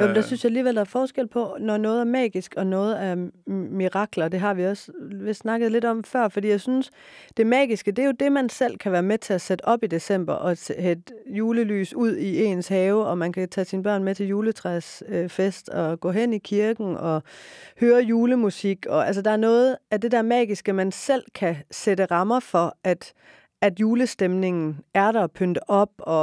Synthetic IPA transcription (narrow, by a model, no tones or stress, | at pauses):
jæmnd̥ɑsynsjɑ̈æliːʋel̰d̥ɑæɐfɒːsɡ̥el̰pʰɒ̽nɒnɔ̽ːð̞̩ˠæɐmɛ̰ːɡ̥isɡ̥ɒ̽nɔ̽ːð̞̩ˠæɐmiʁɑ̈ɡ̥lɐd̥e̝ɦɑ̈ʋiɒ̽sʋesnɑ̈ɡ̥əð̩ˠle̝dɾɒ̽mfɶɐ̰fɒ̽d̥ḭːjɑ̈ɪsynsd̥e̝mɛ̰ːɡ̥isɡ̥əd̥e̝æjo̝d̥e̝mænsel̰kʰæʋæːɐmet͡sʰe̝æsed̥əʔɒ̽b̥id̥e̝sem̰b̥ɐʔɒ̽sehed̥juːləly̰ːsuð̰ˠie̝̰ːnshɛːʊɒ̽mænkʰæt͡sʰɛ̰ːsinb̥ɶɐ̰nmet͡sʰe̝ljuːlət͡sʰʁɛsøfesd̥ɒ̽ɡ̥ɔ̰̽ːɦen̰ikʰiɐɡ̥n̩ʔɒ̽høːɐjuːləmusiɡ̥ɒ̽æls̬əd̥ɑ̈æɐnɔ̽ːð̩ˠæd̥e̝d̥æɐmɛ̰ːɡ̥isɡ̥əmænsel̰kʰæsed̥əʁɑ̈mɐfɒ̽ʔæd̥ | æd̥juːləsd̥emne̝ŋn̩æɐɾɐpʰønd̥əʔɒ̽b̥̚ɒ̽